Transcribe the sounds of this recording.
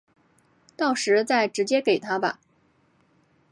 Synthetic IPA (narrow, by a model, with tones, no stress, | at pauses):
t̪ɑ˥˩ʊʂɻ̩˧˥t͡sa˥˩ɪʈ͡ʂɻ̩˧˥t͡ɕjɛ˥ke˨˩ɪt̪ʰa˥bɐ̰˧